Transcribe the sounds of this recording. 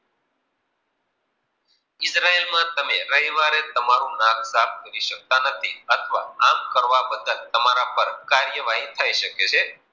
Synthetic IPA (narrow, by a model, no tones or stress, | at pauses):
ɪsɾaelmãt̪əmeɾəɦiʋaɾet̪əmaɾũnãkʰsapkəɾiʃək̚t̪anət̪ʰiət̪ʰəʋa̰amkəɾʋabəd̪əlt̪əmaɾapəɾkaɾjəʋaɦit̪ʰaiʃəket͡ʃʰe